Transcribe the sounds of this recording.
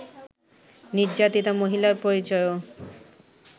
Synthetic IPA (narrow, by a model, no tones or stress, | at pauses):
niɾd͡ʑat̪it̪amoɦilaɾpoɾit͡ɕɔeo